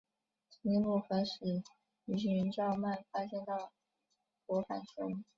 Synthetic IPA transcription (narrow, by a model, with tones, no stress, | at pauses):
i˧˥mu˥˩xɤ˧˥ʂ̩˨˩ | y˧˥ɕ̬y˥˩y˧˥nʈ͡ʂɑ˥˧ʊma˥˩nfa˥ʂɛ˥nt̪ɑ˥˩ʊ | kwɔ˧˥fa̰˨˩nʈ͡ʂʊ˥ŋ